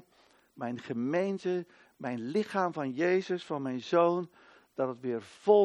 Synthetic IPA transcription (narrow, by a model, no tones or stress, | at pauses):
mɛjnχəmejntə | mɛjnlɪχaːmvɑnjeːzəsfɑnmɛjnzoːn | d̥ɑtətʋɪːrv̥o